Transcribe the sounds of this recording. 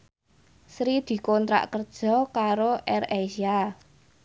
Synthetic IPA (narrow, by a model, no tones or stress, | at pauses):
sɾid̪̥i̤kɔnt̪ɾa̰ʔkərd̥ʒ̥ɔ̤kaɾoʔɛrasia